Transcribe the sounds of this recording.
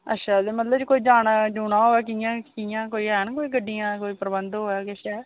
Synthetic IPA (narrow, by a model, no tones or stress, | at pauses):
ətːʃʰaːd̪eːmət̪ləbt͡ʃkoːiːd͡ʒaːnd͡ʒuːɳãːɦoːɛːkijãːkijãːkoːiːɛːnkoːiːɡəɖːijãːkoːiːpɾəbənd̪ɦoːɛːkɪʃɛː